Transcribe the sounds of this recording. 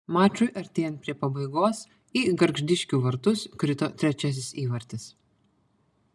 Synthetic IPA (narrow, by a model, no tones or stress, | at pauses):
mɑːt͡ʃʲʊɪʔɐɾʲt̪ʲeːjɛnt̪̚pʲɾʲiɛpɐbɐɪɡoːs | iːɡɐɾɡʒʲd̪ʲɪʃʲkʲʊʋɐɾt̪ʊskɾʲɪt̪oːt̪ʲɾʲɛt͡ʃʲɛs̬ʲɪsiːʋɐɾʲt̪ʲɪs